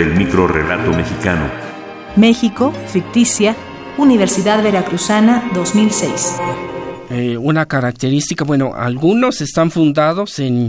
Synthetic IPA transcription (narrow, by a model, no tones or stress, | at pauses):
elmikɾo̞rḛlat̪omexikano̰ | mexikofik̚t̪isja | uniβ̞eɾsiðaðβeɾakɾusanaðozmilsejs | eunakaɾak̚t̪eɾist̪ikabwe̞no̞ʔa̰lɡuno̞se̞st̪aɱfund̪aðo̞se̞n